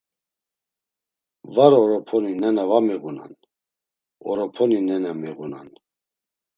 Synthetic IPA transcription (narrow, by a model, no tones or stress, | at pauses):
vaɾɔɾɔpʰɔninɛnavamɛɣuna̰n | ɔɾɔpʰɔninɛnamɛɣuna̰n